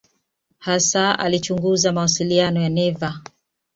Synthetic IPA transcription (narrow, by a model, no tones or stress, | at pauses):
hasaa̰lit͡ʃuŋɡuzamawasilianɔjanɛva